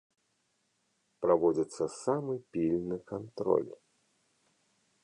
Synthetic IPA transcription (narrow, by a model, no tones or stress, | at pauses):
pɾavɔd͡zʲit̪sːɐsamɨpʲilʲnɨkant̪ɾɔ̰lʲ